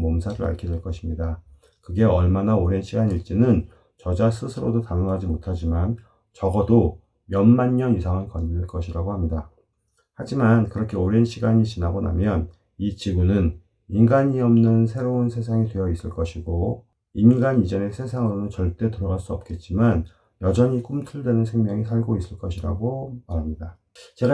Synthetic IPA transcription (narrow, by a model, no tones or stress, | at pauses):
mʌmsʰaɾɯɾa̰ɭkʰideɭk͈ʌɕʰimɲida | kɯɡe̞ʌɭmanaoɾe̞nɕʰiɡaɲiɭt͡ɕ͈inɯn | t͡ɕʌd͡ʑas͈ʰɯsʰɯɾodotanɯŋɦad͡ʑimotʰad͡ʑiman | t͡ɕʌɡʌdo | jʌnmaɲɲʌnjusʰaŋɯɭkʌɲiɭk͈ʌɕʰiɾaɡohamɲida | had͡ʑimankɯɾʌkʰe̞oɾe̞nɕʰiɡaɲit͡ɕinaɡʌna̰mjʌn | it͡ɕiɡunɯn | inɡaɲiʌmnɯnsʰe̞ɾounsʰe̞s̬ʰaŋitwe̞jʌis͈ɯɭk͈ʌɕʰiɡo | inɡanid͡ʑʌne̞sʰe̞sʰaŋɯonɯnt͡ɕʌɭt͈e̞toɾʌɣaɭs͈uʌp̚k͈e̞t̚t͡ɕ͈iman | jʌd͡ʑʌɲik͈umtʰuɭdwe̞nɯnsʰe̞ŋmjʌŋisʰaɭɡois͈ɯɭk͈ʌɕʰiɾa̰ɡomaɾamɲida | t͡ɕe̞ɡa